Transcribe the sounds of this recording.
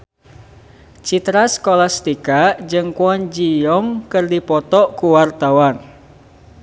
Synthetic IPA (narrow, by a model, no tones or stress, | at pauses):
t͡ʃit̪ɾaskɔlast̪ikaʔd͡ʒɨŋkuɔɲd͡ʒijɔŋkɨrdipɔt̪ɔʔkuwart̪awan